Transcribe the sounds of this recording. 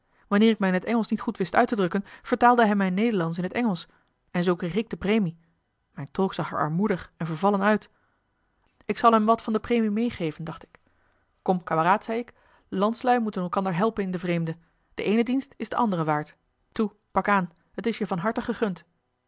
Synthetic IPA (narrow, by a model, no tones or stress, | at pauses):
ʋɑnɪːɹɪk̚mɛjɪnɦətɛŋəlˠsnitχutʋɪstœ̰ɥtədrɵkənv̥əɹtaːlˠdəɦɛjmɛjnejdəɹlɑns̬ɪnɦətɛŋəlˠs | ɛnzowkrejχɪɡ̚dəprejmi | mɛjntolˠksɑχɛ̰ɹɑ̰ɹmudəχɛnvəɹvɑlənœɥt | ɪksɑlˠɦɛmʋɑtfɑndəprejmimejχejvəndɑχtɪ̥k | kɔmkaːməraːtsɛjɪk | lɑntslɛjmutənɛlˠkɑndəɹɦɛlˠpənɪndəvrejmdə | d̥əʔejnədinstɪzdəʔɑndərəʋaːɹt | tu | pɑkaːn | ɦətɪsjəvɑnɦɑɹtəχəχɵnt